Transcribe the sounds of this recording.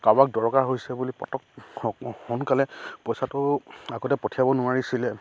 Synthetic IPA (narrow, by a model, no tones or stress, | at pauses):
kabak̚dɔɹkaɦojsɛbulipɔ̰tɔk | xɔnkalɛpɔjsatʊaɡɔtɛpɔtʰijabɔnʊaɹisilɛ